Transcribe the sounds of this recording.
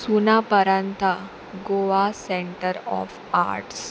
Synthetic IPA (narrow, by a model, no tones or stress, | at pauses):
sunapəɾant̪ʰa | ɡoʋasẽɳʈəɾɔ̰f | a̰ɾʈs